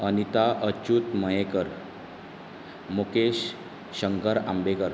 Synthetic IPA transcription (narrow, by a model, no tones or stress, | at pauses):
ənit̪aʔət͡ɕut̪məjekəɾ | mokeɕː | əŋkəɾambekəɾ